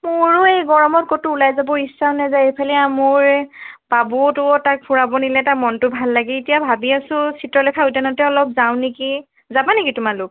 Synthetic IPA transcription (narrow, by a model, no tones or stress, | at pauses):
mʊɹʊejɡɔɹɔmɔt̚kotʊulajzabɔisːaʊnɛzajejpʰalɛamʊɹb̥abutʊtak̚pʰuɹabɔnilɛtamɔntʊbʱalːaɡɛːtijabʱabiasʊ̃sʰitɹɔlɛkʰautanɔtɛɔlɔp̚zaw̃neki | zabanekitʊmalʊk̚